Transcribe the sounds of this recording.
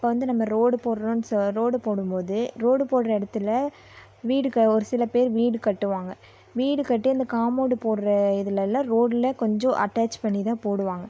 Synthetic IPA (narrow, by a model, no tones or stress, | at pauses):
ɪpːoːʋɐnd̪ɯnɐmːɐɾoːɽɯpoːɽɾɐnsɾoːɽɯpoːɽɯmpoːðɯɾoːɽɯpoːɽɾɐɪɽɐt̪ːɯlɐ | ʋiːɽɯkɐɔɾɯsɪlɐpeːɾʋiːɽɯkɐʈːɯʋaːŋɡɐ | ʋiːɽɯkɐʈːɯɐnd̪ɐkaːmoːɽɯpoːɽɾɐɪðɯlɐɪlːãːɾoːɽɪlɐkɔɲd͡ʒɔ̃ʔɐ̰ʈːaːt͡ʃpɐɳːit̪ãːpoːɽɯʋaːŋɡɐ